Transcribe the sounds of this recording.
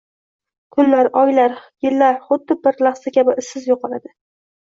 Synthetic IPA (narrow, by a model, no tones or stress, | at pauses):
kʰʊnlaɾɒjlaɾjɪlːaɾχʊd̪̚ːɪɪɾlɑχsakʲʰabɪʔɪsːɪzjoqʰɒlad̪ɪ